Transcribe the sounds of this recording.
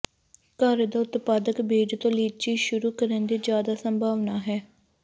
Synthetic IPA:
kaːɾd̪aːʊt̪paːd̪əkbeːd͡ʒt̪õːliːt͡ʃiːʃʊɾuːkəɾənd̪iːd͡ʒjaːd̪aːsəmbʱaːʋnaːɦɛː

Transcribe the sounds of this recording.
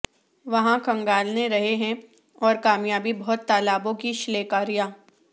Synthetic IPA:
ʋɐɦãkɐ̃ŋɡaːlneɾɐɦeɦɛ̃ | ɔːɾkaːmjaːbibɔːt̪ːaːlaːbõkiʃɪleːkaːɾijaː

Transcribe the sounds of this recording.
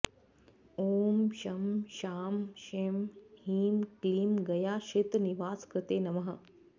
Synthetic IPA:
oːmʃɐmʃaːmʃemhiːmkliːmɡɐjaːʃit̪niʋaːskɐt̪eːnɐmɐɦɐ

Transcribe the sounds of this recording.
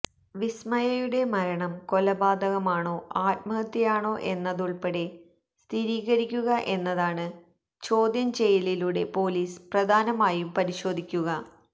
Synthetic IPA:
ʋismɐjɐjuɽe̞mɐɾɐɳɐmko̞lɐbaːd̪ʱɐɣɐmaːɳo̞ːaːt̪̚mɐɣɐt̪ːjɐjaːɳo̞ːʔe̞nːɐðuɭpeɽe | st̪ʰiɾiːɣɐɾikʲːuɣɐʔe̞nːɐðaːɳɨ | t͡ɕo̞ːd̪jɐmt͡ɕe̞jililuɽe̞po̞ːliːsprɐd̪ʱaːnɐmaːjumpɐɾiɕo̞ːd̪ʱikʲːuɣɐ

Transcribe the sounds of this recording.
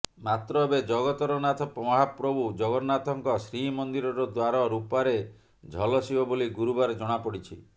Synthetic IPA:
mat̪ɾɔbed͡ʒɔɡɔt̪ɔɾɔnat̪ɔpɔmɔɦapɾɔbud͡ʒɔɡɔɾnat̪ɔŋkɔsɾimɔnd̪iɾɔɾɔd̪waɾɔɾupaɾe | d͡ʒʱɔlɔsibɔboliɡuɾubaɾed͡ʒɔɽ̃apɔɽit͡ʃʰi

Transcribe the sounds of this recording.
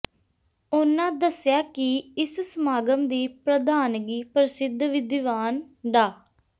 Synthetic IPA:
ʊnãːd̪əsɪjaːkɪɪssəmaːɡəmd̪iːpɾəd̪ʱaːnɡiːpɾɪsɪd̪ʱʋɪd̪ɪʋaːn | ɖaː

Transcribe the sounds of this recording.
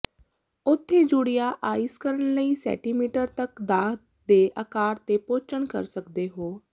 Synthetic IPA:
ʊt̪ʰːeːd͡ʒʊɽɪjaːʔaːɪskəɾəɳləiːsɛ̰ːʈiːmiːʈəɾt̪əkd̪aː | d̪eːʔəkaːɾt̪eːpoːt͡ʃəɳkə̰ɾsəkd̪eːɦoː

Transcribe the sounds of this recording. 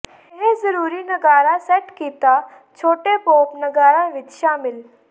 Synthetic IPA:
ɦẽzɐɾuːɾinɐɡaːɾasɛʈkiːt̪a | t͡ɕʰoːʈepoːpnɐɡaːɾaʋɪt̪ʃaːmɪl

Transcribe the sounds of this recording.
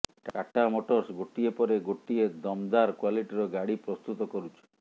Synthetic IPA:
kaʈamoʈɔɾsɡoʈiepɔɾeɡoʈied̪ɔmd̪aɾkwaliʈiɾɔɡaɽipɾɔst̪ut̪ɔkɔɾut͡ʃʰɔ̥

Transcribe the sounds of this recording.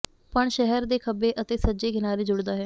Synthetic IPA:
pəɳʃɛɦɛɾd̪eːkʰəbeːʔət̪eːsəːd͡ʒeːkɪnaːɾiːd͡ʒʊɽd̪aːɦɛː

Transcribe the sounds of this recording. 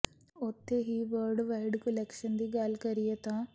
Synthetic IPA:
ot̪ːeɦiːʋɐːɾɖʋɐjɖkulekʂɐnd̪iɡaːlkɐɾijɐt̪a

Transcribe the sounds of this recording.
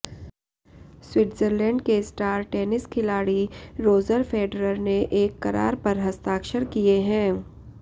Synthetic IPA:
swɪʈzəɾlɛ̃ːɳɖkesʈaːɾʈɛːnɪskʰɪlaːɽiɾoːzəɾfʰeːɖɾəɾneʔeːkːɐɾa̰ːɾpɐɾɦɐst̪aːkʃəɾkijeɦɛ̃ː

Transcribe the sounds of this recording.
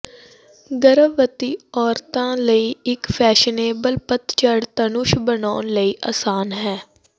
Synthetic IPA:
ɡəɾəːət̪iːɔːɾt̪ãːləiːɪkpʰɛːʃəneːbəlpət̪t͡ʃəɽt̪ənʊʃbənaːnləiːʔa̰ːsaːnɦɛː

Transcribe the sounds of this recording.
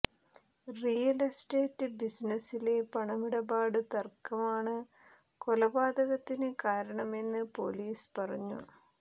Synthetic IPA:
rijɐlɐsteːtːɨbisnɐsile̞pɐɳɐmiɽɐbaːɽɨt̪ɐrkɐmaːɳɨ | ko̞lɐbaːd̪ɐɣɐt̪ːinɨkaːɾɐɳɐme̞nːɨpo̞̰liːspɐrɐɲːṵ

